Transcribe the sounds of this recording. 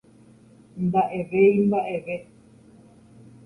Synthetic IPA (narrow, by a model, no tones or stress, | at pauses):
mbaʔeʋejmbaʔe̞ʋe